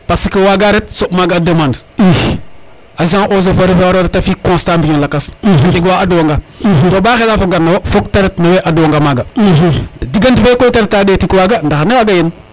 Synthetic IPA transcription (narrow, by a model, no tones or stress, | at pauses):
pasikiwaɡaɾet̚somaɡadəmand | azãʔoz̬ofoɾefewaɾoɾetafikõstambiɲilakastik̬waːduwaŋɡadobaxelafoɡanawofok̚teɾetnaweʔaduwaŋɡamaɡa | diɡantifekoteɾtːadeːtikiwaɡandaxanewaɡajin